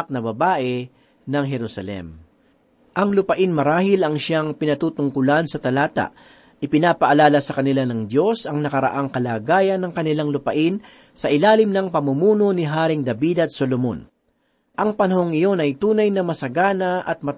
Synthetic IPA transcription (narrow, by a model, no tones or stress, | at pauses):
k̚nɐbɐbaːʔɛ | nɐŋɦɛɾʊsɐlɛ̰m | ʔɐŋlʊpɐʔɪnmɐɾaːhɪlɐŋʃaŋpɪnɐt̪uːt̪ʊŋkʊlansɐt̪ɐlaːt̪ɐ̰ʔ | ʔɪpɪnaːpɐʔɐlaːlɐsɐkɐnɪlanɐŋd̪jo̞sɐŋnɐkɐɾɐ̰ʔaŋkɐlaːɡaːjɐnːɐŋkɐnɪlaŋlʊpɐʔɪn | sɐʔɪlaːlɪmnɐŋpɐmʊmuːno̞nɪɦaːɾɪŋd̪ɐbid̪ɐt̪̚solomo̰n | ʔɐŋpɐnɐho̞ŋɪjo̞nɐjt̪uːnɐjnɐmɐsɐɡaːnɐʔɐt̪̚mɐ